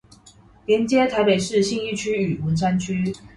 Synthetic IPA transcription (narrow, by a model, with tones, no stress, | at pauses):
ljɛ˧˥nt͡ɕjɛ˥t̪ʰa˧˥ɪpe˨˩ɪʂɻ̩˥˧ɕi˥˧ŋi˥˧t͡ɕʰy˥y˨˩wə˧˥nʂa˥nt͡ɕʰy˥